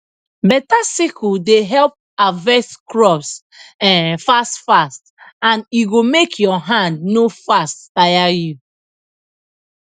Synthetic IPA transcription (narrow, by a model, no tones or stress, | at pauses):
bɛtasikudeɦɛlp̚avɛskɹɔps | ɛ̃fastfast | ãniɡomekʰjɔɦãndnofastfajaju